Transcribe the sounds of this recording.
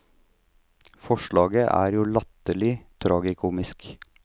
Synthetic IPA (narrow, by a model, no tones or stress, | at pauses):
fɔʃɭɑːɡəʔæ̰ːɾjuːlɑt̪əlɪt̪ʰɾɑːɡɪkʰuːmɪsk